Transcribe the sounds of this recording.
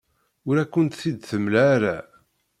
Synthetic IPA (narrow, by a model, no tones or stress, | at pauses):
ʊɾækʷːənt̪θid̪θəmlæːɾæ